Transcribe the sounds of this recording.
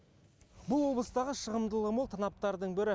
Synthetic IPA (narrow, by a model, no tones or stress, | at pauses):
bʊlˠwo̞blˠəst̪ɑʁəʃəʁəmd̪əlˠəmolˠt̪ʰɑnɑp̚t̪ɑɾd̪əɴbɪɾɪ